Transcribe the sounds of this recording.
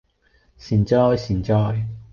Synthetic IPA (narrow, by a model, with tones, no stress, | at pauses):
siː˨˩nt͡ʃɔː˧˥jsiː˨˩nt͡ʃɔː˧˥j